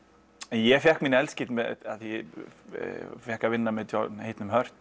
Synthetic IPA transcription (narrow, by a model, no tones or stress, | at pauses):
ɛnjɛfjɛhkminɪɛlscɪt̪mɛðaðjɛ | fjɛhkavɪnːamɛðt̪ʰɔhejt̪nʏmɦœr̥t̪